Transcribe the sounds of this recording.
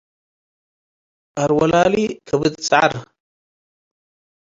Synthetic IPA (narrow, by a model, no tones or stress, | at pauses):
ʔɐɾwɐlaːlikʰɐbɨt̪ʼt͡sʼʕa̰ɾ